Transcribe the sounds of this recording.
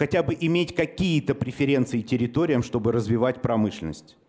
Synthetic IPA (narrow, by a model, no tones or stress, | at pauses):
xɐtʲabɨʔɪmʲetʲkɐkʲijət̪əpɾʲɪfʲɪɾʲe̞nt̪sɨɪtʲɪɾʲɪt̪o̞ɾʲɪjəmʂt̪o̞bɨɾəzvʲɪvatʲpɾɐmɨʂlʲɪnə̰sʲtʲ